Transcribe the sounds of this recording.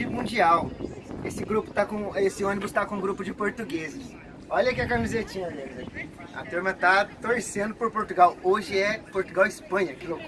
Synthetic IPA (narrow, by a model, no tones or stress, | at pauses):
ɪmũd͡ʒiawesɪɡɾupʊ̥t̪akõesɪõnibʊst̪akõũɡɾupʊd͡ʒɪpoɾt̪uɡezɪs | ɔʎɐkiɐkamizet͡ʃĩɲɐmẽe | ɐ̰t̪uɾmɐt̪at̪oɾsẽnd̪ʊpoɾpoɾt̪uɡawoʒɪɛpoɾt̪uɡawɪspɐ̃ɲɐkɪlok